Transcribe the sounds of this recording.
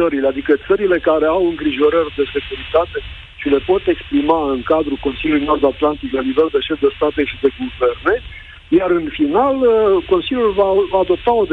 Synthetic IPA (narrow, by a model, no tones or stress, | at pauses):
əɾilead̪ikət̪səɾile̞kaɾe̞awɨŋɡɾiʒo̞ɾərʲd̪e̞se̞kuɾit̪at̪e̞ | ʃile̞po̞t̪e̞kspɾimaɨŋkad̪ɾuko̞nsiljulujno̞rd̪at̪lant̪iklanive̞ld̪e̞ʃe̞fd̪e̞st̪at̪e̞ʃid̪e̞ɡuve̞rne̞ | jarɨnfinaləko̞nsilʲjulvavaːd̪o̞p̚t̪ao̞d̪